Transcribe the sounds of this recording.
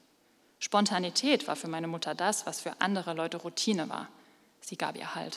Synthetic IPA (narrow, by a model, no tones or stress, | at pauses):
ʃpɔntʰanitʰɛːtv̥a̰ːɐfyːɐmaɪnəmʊtʰɐdasv̥asfyːɐʔa̰ndəʁ̞əlɔʏtəʁutʰiːnəva̰ːɐ | z̥iːɡa̰ːpʔḭːɐha̰lt